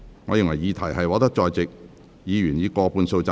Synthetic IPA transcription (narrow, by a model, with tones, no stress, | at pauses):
ŋɔː˨˧jɪ˨ŋwɐ˨˩jiː˨˧t̪ʰɐ˨˩jhɐ˨jwɔː˨˥t̪̬ɐ˥k̚t͡ʃɔː˨˧jt͡sɪ˨k̚ | jiː˨˧jyː˨˩njiː˨˧kɔː˧puː˧nso˧wt͡sa˧